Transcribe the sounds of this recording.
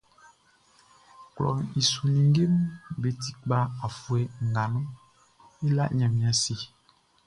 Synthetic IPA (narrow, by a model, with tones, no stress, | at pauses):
klɔ̰˨i˨su˨nĩ˨˦ɡe˦m˦be˨t̪i̥˨k͡pa˦a˨fu˨ɛ˨ŋ̩˨ɡa˨nɔ̃˦ | ɛ˦la̰˦ɲɛ̃˨mĩ˨a˨si˨